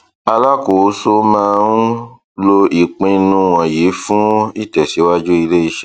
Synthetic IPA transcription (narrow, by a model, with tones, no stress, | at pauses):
a˧la˦ko˨˦so˦mãː˦ũ˦ | lo˦i˦˨k͡pĩ˧nũ˦w̃ɔ̃˨je˨˦fũ˦i˦˨tɛ˨si˨˦wa˦d͡ʒu˦i˧le˦i˧ʃɛ˦